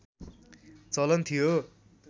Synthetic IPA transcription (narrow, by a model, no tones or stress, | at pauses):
t͡sʌlʌnt̪ʰijo